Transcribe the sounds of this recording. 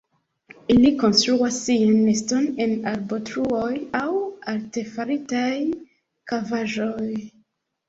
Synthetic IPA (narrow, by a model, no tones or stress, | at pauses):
iliko̞nstɾuasːianːesto̞ne̞naɾbo̞tɾuo̞jawaɾte̞faɾitaj | kavaʒoj